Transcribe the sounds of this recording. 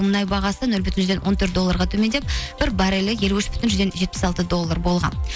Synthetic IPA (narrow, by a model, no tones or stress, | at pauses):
mənɑjbɑʁɑsənɵlbʏt̪ɪnʒzd̪e̞nwo̞nt̪ʰɵɾt̪̚d̪olːˠɑɾʁɑt̪ʰɵme̞nd̪e̞p̚b̥ɪɾbɑɾelɪje̞luɪʃbʏt̪ɪnʒʏzd̪e̞nʒet̪pɪ̥sɑlˠt̪əd̪o̞lˠːərbo̞lˠʁɑ̰n